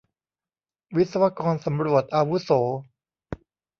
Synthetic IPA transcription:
wi˦˥t̪̚sa˧wa˧kɔː˧nsa˩˦mɾu˨˩ət̪̚ʔaː˧wu˦˥soː˩˦

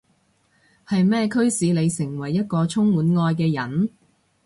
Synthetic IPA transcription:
hɐ˨jmɛː˥˧kʰɵ˥ɥsiː˨˧˥le˨˧jsɪ˨˩ŋwɐ˨˩jːɐ˥t̚kɔː˧t͡sʰʊ˥ŋwuː˨˥nŋɔː˧jkɛː˧jɐ˨˩n

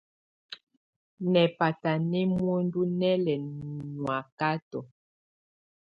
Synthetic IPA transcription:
nɛ˨pa˨ta˨nɛ˦mwo˦ndu˦nɛ˦lɛ˨nwa˨ka˦tɔ˨

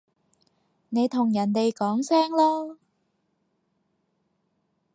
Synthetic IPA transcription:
ne˨˧jt̪ʰʊ˨˩ŋjɐ˨˩nt̪e˨jkɔː˨˥ŋsɛː˥ŋlɔː˥

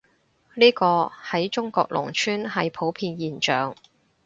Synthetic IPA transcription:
niː˥kɔː˧hɐ˨˥jt͡ʃʊ˥ŋkɔː˧k̚lʊ̰˨˩ŋt͡ʃʰyː˥nɦɐ˨jpʰo˨˥wpʰiː˧njiː˨nt͡ʃœː˨ŋ

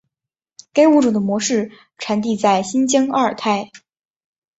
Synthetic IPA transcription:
ka˥ɪu˥˩ʈ͡ʂu˨˩d̪ə˦mwɔ˧˥ʂɻ̩˥˩ | ʈ͡ʂʰa˧˥nt̪̬i˥˧t͡sa˥˩ɪɕi˥nt͡ɕjɑ˥ŋɐ˞˥˩ə˨˩t̪ʰa˥˩ɪ

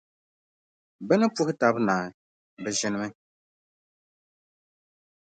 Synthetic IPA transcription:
bɛ˦nɨ˦pʊ˦hɪ˦ta˨˦bnaː˨ | bɛ˨ʒɪ˦nɪ˦mɨ˦

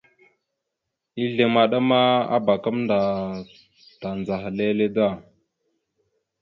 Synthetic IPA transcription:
i˦ɮe˨ma˨ɗa˦ma˦a̰˦ba˨ka˦mnda˨ | ta˨nd͡za˨xa˨le˦le˦da˦˨

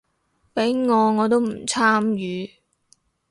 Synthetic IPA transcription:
pe˨˥jŋɔː˨˧ŋɔː˨˧t̪o˥wm̩˨˩t͡sʰaː˥mjyː˨˧

